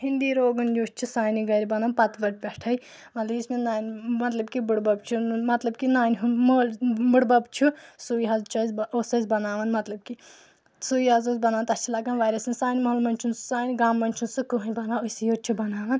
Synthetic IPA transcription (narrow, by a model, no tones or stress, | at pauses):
ɦind̪iːɾoːɡɐnd͡ʒuːst͡ʃʰusaːniɡɐɾʲibɐnaːnpɐt̪ʋɐʈ̚pʲɛʈʰɐj | mɐt̪lɐismenaːnʲmɐt̪lɐbkibuɽbɐb̚t͡ʃʰumɐt̪lɐbkinaːnʲɦmolbuɽbɐbt͡ʃʰusuːjɦɐzt͡ʃʰɐzʲoːsɐzʲbɐnaːʋɐnmɐt̪lɐb̚ki | suːjɦazoːzʲbɐnaːnt̪ɐst͡ʃʰilaːɡaːnʋaːɾɐsɨnʲsaːnʲmɐɦlmɐnʲt͡ʃʰunssaːniɡaːmːɐnʲt͡ʃʰunsɨkuɦunʲbɐnaosijoːɾt͡ʃʰubɐnaːʋɐn